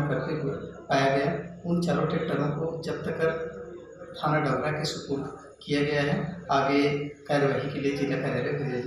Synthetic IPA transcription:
kɐɾt̪ekopaːjaɡɐjaʊnt͡ʃaːlõʈeːkʈəɾõkod͡ʒɐbt̪ɐkəɾ | k̪ʰaːnnaɖaːɡɾakesʊkuːl | kijaɡɐjaɦɛaːɡekaːɾəʋaːʈikeliekid̪akaːɾjaːɾɐkɪd̪a

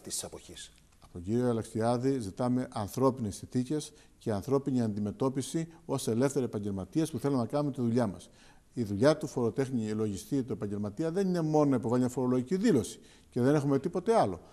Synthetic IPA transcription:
t̪i̥si̥sɐpoçis | ɐpoɟiɾioɐlɐkst̪iɐðizit̪ɐme̞ʔɐnθɾo̞pinesinθice̞s | ceɐnθɾo̞piniɐnd̪ime̞t̪o̞pisio̞se̞le̞fθe̞ɾiepɐɲɟelmɐt̪iespuθe̞lumenɐkɐnumet̪iðuʎɐmɐ̰s | iðuʎɐt̪ufo̞ɾo̞t̪e̞xnilo̞ʝist̪it̪oepɐɲɟe̞lmɐt̪iɐðe̞nine̞mo̞nonɐipo̞vɐliɲɐfo̞ɾo̞lo̞ʝiciðilo̞si̥ | ce̞ðe̞ne̞xume̞t̪ipo̞t̪e̞ɐlo̞̰

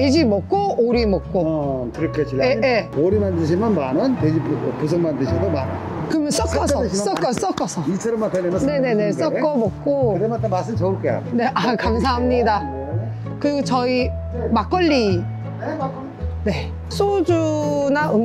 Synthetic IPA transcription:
ted͡ʑimok̚k͈oʔoɾimok̚k͈otɯɾkʰet͡ɕieeoɾimandɯɕ̬ʰimanmanɯnted͡ʑippus̬ʰɯŋmandɯɕʰidomanɯn | kɯmjʌns͈ʌk͈ːʌsʌs͈ʌk͈ʌs͈ʌk͈ʌsʰʌisʰeɾɯmakɯnene̞ne̞ne̞s͈ʌkk͈ʌmok̚k͈oɯɾematemas͈ɯmt͡ɕʌuɭk͈ea̰ne̞ʔakamsʰaɦamɲida | kɯɾiɡot͡ɕʌi | mak͈ʌʎːi | ne̞ | s͈ʰod͡ʑunaʔɯ

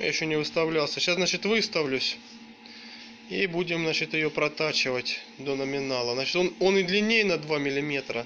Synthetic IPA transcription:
ja̰jɪɕːonʲɪvɨst̪ɐvlʲalˠsʲəɕasnat͡ɕɪt̪vɨst̪ɐvlʲʉsʲ | ibudʲɪmnat͡ɕɪt̪jɪjo̞pɾɐt̪at͡ɕɪvətʲ | d̪o̞nəmʲɪnalˠəznat͡ɕɪ̥t̪ono̞nɪd̪lʲɪnʲːejnɐd̪vamʲɪlʲɪmʲe̞t̪ɾə

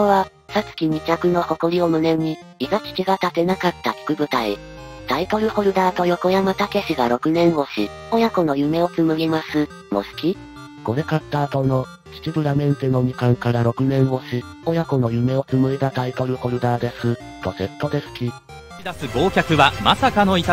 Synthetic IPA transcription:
koβasat͡sɨ̥kʲiɲ̟ikʲakɯ̟no̞ho̞koɾʲio̞mɯ̟ne̞ɲ̟i | iɡakʲi̥kʲiɡat̪at̪e̞nakat̪ːakʲi̥kɯ̟bɯ̟t̪ai | t̪ait̪o̞ɾɯ̟ho̞ɾɯ̟d̪aːt̪o̞jo̞ko̞jamat̪ake̞ɕiɡaɾo̞kɯ̟nẽ̞ɰ̃o̞ɕi | o̞jako̞no̞jɯ̟me̞o̞t͡sɨmɯ̟ɡʲimasɨ | mo̞̰sɨ̥kʲi | ko̞ɾe̞kat̪ːaːt̪o̞no̞ | ɕi̥t͡ɕibɯ̟ɾamẽ̞nt̪eno̞ɲ̟ikãŋkaɾaɾo̞kɯ̟nẽ̞ɰ̃o̞ɕi | ojako̞no̞jɯ̟me̞o̞t͡sɨmɯ̟it̪at̪ait̪o̞ɾɯ̟ho̞ɾɯ̟d̪aːd̪e̞sɨ | t̪o̞t̪e̞t̪ːo̞d̪e̞sɨ̥kʲi | id̪asɨɡo̞ːkʲakɯ̟βamasakano̞it̪

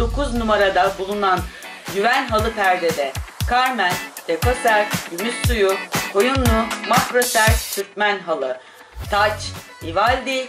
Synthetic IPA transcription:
d̪o̞kuznumaɾad̪abulˠunan | ɟyvænɦalˠɯpʰæɾd̪ed̪ɛkʰaɾmænd̪̥ɛkʰosæɾɟymysːujukʰo̞jumnumakɾosæɾt͡ʃt̪ʰyɾt̪mænɦalˠɯ | t̪ʰat͡ʃ | ivalʲd̪i

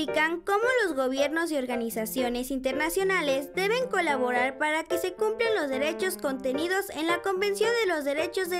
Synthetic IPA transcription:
ikaŋko̞mo̞lo̞zɣo̞βje̞ɾno̞z̬eo̞ɾɣanisasjo̞ne̞sint̪e̞ɾnasjo̞nale̞zd̪e̞βe̞ŋko̞laβ̞o̞ɾaɾpaɾake̞se̞kumplanlo̞zðe̞ɾe̞t͡ʃo̞sko̞nt̪e̞niðo̞se̞nlako̞mbe̞nsjo̞nd̪elo̞zðe̞ɾe̞t͡ʃo̞zðe

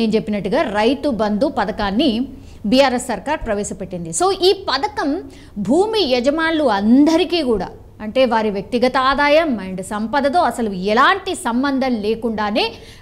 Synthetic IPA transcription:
eːnt͡ʃepːinɐʈːuɡaːɾɐjt̪ubɐnd̪upɐd̪ɐkaːnːi | bijaːɾesːɐɾkaːɾpɾɐʋɛːʃɐpeʈːind̪iso̞ːʔiːpɐd̪ɐkɐm | bʱuːmijɐd͡ʒɐmaːlːuɐnd̪ɐɾikiːkuːɽa̰ː | ɐɳʈe̞ːʋaːɾiʋjɐk̚t̪iɡɐt̪ɐaːd̪aːjɐmɐɳɖsɐmpɐd̪ɐt̪o̞ːɐsɐluɛlaːɳʈisɐmbɐnd̪ʱɐmleːkuɳɖaːne̞ː

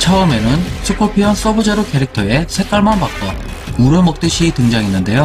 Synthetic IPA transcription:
t͡ɕʰʌːme̞nɯnsʰɯpʰʌpʰiɦʌns͈ʌbud͡ʑeɾokʰe̞ɾik̚tʰʌesʰe̞k͈aɭmanpak̚k͈ʌ | uɾɯmʌk̚t͈ɯɕʰitɯŋd͡ʑaŋinːɯnde̞jo

